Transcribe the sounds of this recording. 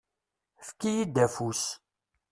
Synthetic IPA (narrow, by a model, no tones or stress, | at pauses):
fkijid̪æfus